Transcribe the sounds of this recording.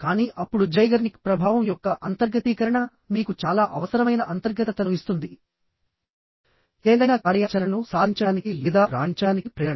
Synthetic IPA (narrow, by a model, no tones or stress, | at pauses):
kaːniːʔɐpːuɽud͡ʒɐjɡɐɾnikpɾɐbʱaːʋɐmjɔkːɐʔɐnt̪ɐɾɡɐt̪iːkɐɾɐɳɐ | niːkut͡ʃaːlaːʔɐʋɐsɐɾɐmɐjnɐʔɐnt̪ɐɾɡɐt̪ɐt̪ɐluist̪und̪i | eːd̪ɐjnaːkaːɽɐjaːt͡ʃɐlɐnusaːd̪ʱiɲt͡ʃɐaːnikilid̪aːɾa̰ːɽiɲt͡ʃɐɽaːnikipɾɛːɐɐ